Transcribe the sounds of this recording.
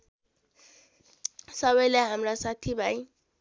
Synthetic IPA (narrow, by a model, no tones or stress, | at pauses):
sʌβʌjlajɦamrasat̪ʰibʱaj